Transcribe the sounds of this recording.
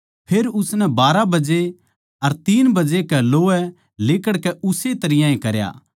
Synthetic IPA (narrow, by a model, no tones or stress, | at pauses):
pʰeːɾʊsnɛbaːɾabɐd͡ʒe | ɐɾt̪iːnbɐd͡ʒekɛloːɛ | leːkəɽkɛʊset̪ɐɾɪjãẽkɐɾja̰ː